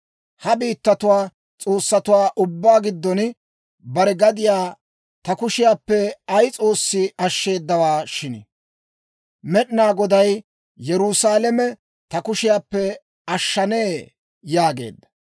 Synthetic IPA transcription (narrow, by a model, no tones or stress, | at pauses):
hɐbiːt̪ːɐt̪ʊwaː | t͡sʼo̞ːsːɐt̪ʊwaːʔʊbːaːɡɪd̪ːɔn | bɐɾɛɡɐd̪ɪjaː | t̪ɐkʊʃɪjaːpːɛɐjt͡sʼo̞ːsːɪʔɐʃːe̞ːd̪ːɐwaːʃɪnɪ | mɛɗɪnaːɡɔd̪ɐj | jɛɾʊsaːlɛmɛ | t̪ɐkʊʃɪjaːpːɛ | ɐʃːɐneː | jaːɡe̞̰ːd̪ːɐ̥